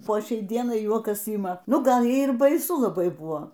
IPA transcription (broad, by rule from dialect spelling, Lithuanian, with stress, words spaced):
poː ˈʃʲɛɪ ˈdʲiɛnɐɪ ˈjuɔkɐs ˈiːmɐ ˈnʊ ˈɡɐlˠ ˈjɛɪ ɪr bɐɪˈsʊ lˠɐˈbɐɪ ˈbuɔ